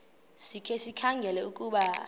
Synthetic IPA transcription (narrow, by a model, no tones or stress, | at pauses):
sikʰɛsikʰaŋɡʱɛlɛukʼuɓa